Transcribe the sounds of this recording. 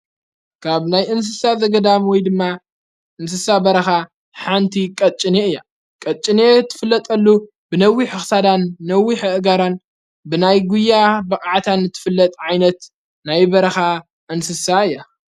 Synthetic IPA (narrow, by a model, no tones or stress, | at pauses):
kʰaβnajʔɨns̬ɨsazɐɡɐd̪amwɔjd̪ɨmːa | ʔɨnsɨsabɐɾɐxa | ħant̪ʰikʼɐt͡ʃʼɪneɨjːa | kʼɐt͡ʃʼːinet̪ʰːɨ̥fɨlːɐt̪ʼɐlːu | bɨnɐwːiħɨxsad̪anːɐwːiħɨʔɡaɾan | bɨnajɡujːabɐkʼaʕt̪ʰanːɨt̪ʰːɨ̥fɨlːɐt̪ʼʕajnɐt̪ | najbɐɾɐxa | ʔɨnsɨsaɨjːa